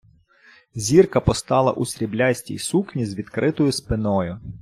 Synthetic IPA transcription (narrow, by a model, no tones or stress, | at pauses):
zʲirkɐpɔst̪ɑlˠɐ̰ʔusʲɾʲiblʲasʲtʲḭjsuknʲizʋʲid̪kɾʔɪt̪ɔjʊspɪnɔjʊ